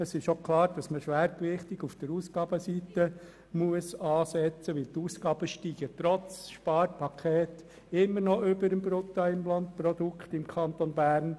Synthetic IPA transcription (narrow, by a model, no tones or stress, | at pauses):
əsɪʃokʰlˠɑːɾd̥ɑsməʃʋæːɾplɪχt̪ɪɡufd̥əɾuːsɡ̥ɑːbəsit̪ə | muəsɑːsɛt͡səʋɪlt̪uːsɡɑːb̥əʃtiːɡ̥ət̪ɾɔt͡sʃpɑːɾpʰɑkʰeːt | ɪmːəɾnɔʔʏbəɾəmbɾʊt̪ːɑɪmlɑnt̪̚pɾɔd̪ukχtɪmkʰɑnt̪onbæːɾn